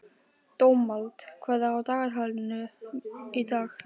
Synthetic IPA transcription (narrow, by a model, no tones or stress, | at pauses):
t̪owmːalt̪kʰvɛðaawt̪aːɣat̪haːlɪnʏ | it̪aːx